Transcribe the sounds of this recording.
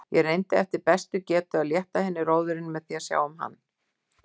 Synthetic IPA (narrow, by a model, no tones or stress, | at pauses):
jɛrejnt̪ɪɛft̪ɪɾpɛst̪ʏcɛːt̪ʏaðljɛht̪ahɪnːɪroːwðʏɾɪnmɛðθiasja̰ːwʏmɦa̰nː